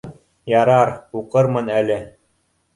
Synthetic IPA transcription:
jɑɾɑɾuqɤɾmɤnælɘ

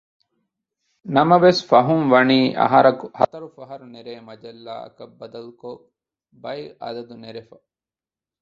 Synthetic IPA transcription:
nɐmɐʋesfɐɦuŋʋɐniːʔɐ̰ɦɐɾɐkuhɐ̰t̪ɐɾufɐɦɐɾuneɾeːmɐd͡ʒɐlːa̰ːɐ̰kɐbːɐd̪ɐluko | bɐjʔɐ̰d̪ɐd̪uneɾefɐ

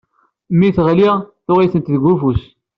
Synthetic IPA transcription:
mːiθʁliʁθʊʁiθənt̪ðəɡʷufus

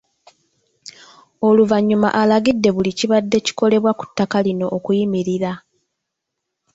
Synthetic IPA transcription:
o̞luvaɲːuma̰ʔalaɡidːe̞βuliciβadːe̞ci̥ko̞le̞βwaku̥tːakalino̞ʔːkujimiɾiɾa

